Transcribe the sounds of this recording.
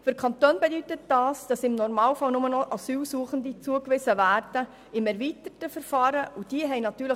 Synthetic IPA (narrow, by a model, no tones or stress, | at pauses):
føɾkʰχɑntoːnbɛdyt̪ət̚d̥ɑːsd̥ɑsɪmnɔɾmɑːlfɑlnʊmənɔʔɑsyːlsuəχəndit͡suəkʋɪsəʋæːɾd̥ə | ɪmɛɾʋiːtətəfəɾfɑːɾəʔʊd̥iəɦɛɪnɑt̪yːɾlə